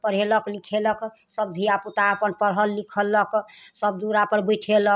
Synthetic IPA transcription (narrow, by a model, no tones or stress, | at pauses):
pəɽ̤eləklikʰelək | səbd̪ʱijaput̪aːpənpəɾɦəlːikʰələksəb̚d̪uɾapəɾbuʈʰelək